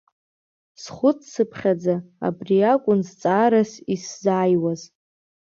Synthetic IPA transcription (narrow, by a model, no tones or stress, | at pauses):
sχʷʊt͡sʰsɨpʰχʲad͡zaa̰briakʷʼʊnzt͡sʼaːɾasiszaːjwaz